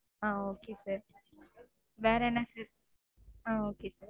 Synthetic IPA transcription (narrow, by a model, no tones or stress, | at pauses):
ãoːkesəɾ | baɾɛnasəɾ | ãokesəɾ